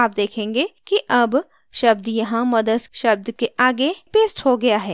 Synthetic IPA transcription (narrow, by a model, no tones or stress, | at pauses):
aːp̚d̪eːkʰẽːŋɡekiʔɐb | ʃɐb̚d̪jɐɦãmɐd̪əd̪ʃɐb̚d̪keʔaːɡepeːsʈhoɡɐjaɦɛː